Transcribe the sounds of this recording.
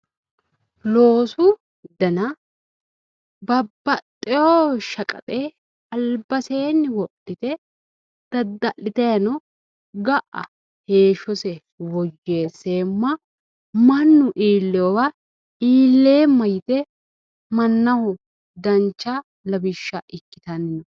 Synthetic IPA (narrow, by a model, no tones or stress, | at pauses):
lo̞ːsʊ | d̪ɐnɐ | bɐbːɐt̪ʼːɪjoʃɐkʼɐ̰t̪ʼe | ɐlbɐseːnːɪwɔtːɪt̪ɛ | d̪̥ɐd̪ːɐʔɪt̪ɐjɐnɔ | ɡɐʔɐ̰ | heːʃɔsɛ | wɔjːeːseːmːɐ | mɐnːʊʔiːlːɛwɔwɐ | iːlːe̞ːmːɐjɪt̪ɛ | mɐnːɐhʊ | d̪ɐnt͡ʃːɐ | lɐbɪʃːɐʔɪkːɪt̪ɐnnɔ